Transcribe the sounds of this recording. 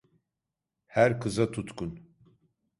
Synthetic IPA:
hæɾkʰɯzat̪ʰut̪kun

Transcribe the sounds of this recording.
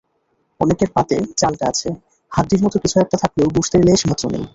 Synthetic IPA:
ɔnekeɾpat̪et͡ɕalʈaat͡ɕʰe | had̪diɾmɔt̪okit͡ɕʰuɛk̚ʈat̪ʰakleobuʃt̪eɾeleʃibʱat̪ːonḛj

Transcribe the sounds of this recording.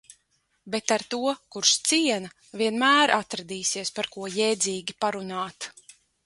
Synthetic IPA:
bet̪aɾt̪uɔkuɾʃt̪siɛnɐ | viɛnmæːɾʔat̪ɾad̪iːsiɛspaɾkuɔjɛjd̪ziːɡʲipaɾunaːt̪

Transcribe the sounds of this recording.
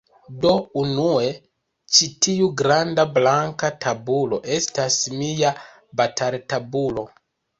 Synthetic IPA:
do̞unue̞ | t͡ʃitiuɡɾandablaŋkatʰabulo̞ʔe̞stasmija | batʰaltabulo̞

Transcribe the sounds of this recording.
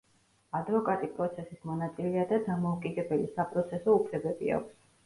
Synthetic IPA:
ad̪vɔkʼat̪ʼipʼɾɔt̪sʰɛsismɔnat̪sʼilɛad̪ad̪amɔukʼid̪ɛbɛlisapʼɾɔt̪sʰɛsɔupʰlɛbɛbia̰kʷʰs

